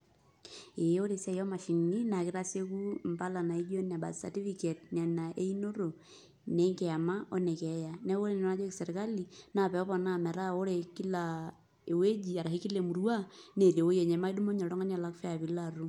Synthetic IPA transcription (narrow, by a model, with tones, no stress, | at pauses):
e˨˦o˦ɾe˨sɛ˦jɔ˦ma˨ʃi˨ŋi˦na˨kɪ˦ɾa˦se˦ku˦m˨pa˦la˨na˨i˦d͡ʒo˦na˨ba̰˨sa̰˨ti˦fi˦ke˨t̚ɲa˨na˨ʔe˦i˦no˦ɾo˨ | ne˨˦ŋkɛ˨a˨ma˦o˦ne˨kɛ˨˦ja˨nɛ˦wo˦le˦˨n˨no˦na˦d͡ʒɔ˦kse˨ɾka˦li˨na˨pɛ˨ɔ˦pɔ˨na˦˨mɛ˨ɾa˦o˦ɾe˨ki˦la˨ | e˨we˦d͡ʒi˨a˨ɾa˨hi˦ki˦le˨mu˨ɾwa˦ne˨ɾe˨wo˦je˨ɲɛ˨ma˦i˦du˦mo˦ɲɔ˨ɾɔ˦ŋa˦na˨la˦kfɛ˦a˨pi˨la˦˨ɾu˦